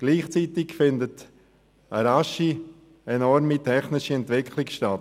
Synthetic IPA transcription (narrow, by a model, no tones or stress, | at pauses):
ɡ̥liːχt͡siːtɪkfɪndət | əɾaʃi | ɛnɔɾmitʰɛχnɪʃiɛntʋɪkʰχlɪkʃtat